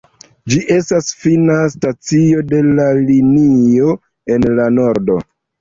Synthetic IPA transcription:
d͡ʒiʔe̞stasfinastat͡sio̞de̞lalinio̞ | e̞nlano̞ɾdo̞

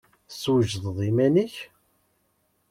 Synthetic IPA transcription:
swəʒðˤðˤimæniç

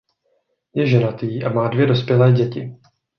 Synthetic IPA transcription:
jɛʒɛnat̪iːʔamaːdvjɛdo̞spjɛlɛːɟɛcɪ̰

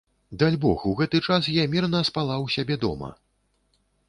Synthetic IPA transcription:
d̪alʲbɔxuɣɛt̪ɨt͡ʂasjamʲirnɐspalˠawsʲabʲɛd̪ɔ̰mɐ̰

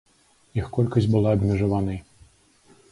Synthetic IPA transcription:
jixkɔlʲkɐzʲbɨlˠaɐbmʲiʐɐvanɐ

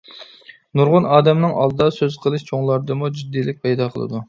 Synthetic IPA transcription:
nuɾʁʊnɑːd̪ɛmnɨŋɑ̰lˠɨd̪ɑsøz̥qʰəlˠɨʃt͡ʃʰoŋlˠɑɾd̪ɨmud͡ʒid̪ːiːlɪk̚ʲpʰɛjd̪ɑqʰə̰lˠɨ̰d̪u

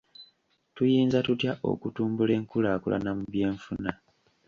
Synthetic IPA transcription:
tujiːnzatutjaʔo̞̰kutuːmbule̞ːŋkulaːkṵlʔa̰namuβje̞ːɱfuna

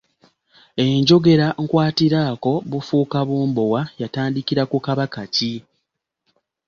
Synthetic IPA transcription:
e̞ɲɟo̞ɡe̞ɾaŋkwaːtiɾaːko̞βufuːkaβuːmbowajataːndikiɾakukaβakaci

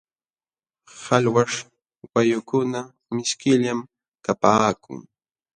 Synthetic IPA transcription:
halwaʂ | wajʊkʊna | mɪskɪʎam | kapaːkʊ̰ŋ

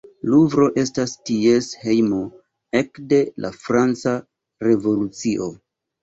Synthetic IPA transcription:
luvɾo̞ʔe̞stastie̞she̞jmo | e̞kde̞lʔa̰fɾant͡sa | ɾe̞vo̞lut͡siʔo̞

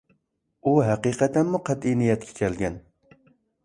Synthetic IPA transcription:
uɦæqiqɛt̪ʰænmuqʰæt̪inijɛt̪̚kʲʰɛ̥kʲʰælɡʲɛn

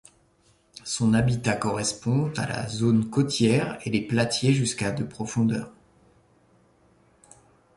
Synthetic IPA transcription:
sɔ̃nabit̪akɔʁɛspɔ̃a̰la̰zonkɔt̪jɛʁeleplat̪jeʒyskad̪əpχɔfɔ̃d̪œ̰ːʁ

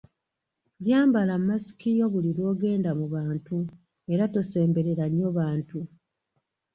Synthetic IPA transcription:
βjaːmbalamːasi̥kijo̞βuliɾo̞ːɡe̞ːndamuβaːntu | e̞ɾato̞se̞ːmbe̞ɾe̞ɾaɲːo̞βaːntu

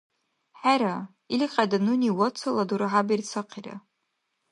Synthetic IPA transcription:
ħaɾa | ilqʲʼadanuniwɔt͡sʰaladuɾɨħabirt͡sʰɨqʰira̰

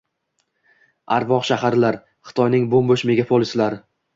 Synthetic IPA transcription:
aɾvɒqʃahaɾlaɾ | χɨ̥t̪ʰɒjnɪŋbombʊʃme̞ɡʲapʰolˠɪslaɾ

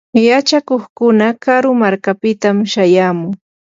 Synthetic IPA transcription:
jat͡ʃakoχkʊnakaɾʊmaɾkapɪt̪amʃajaːmʊŋ

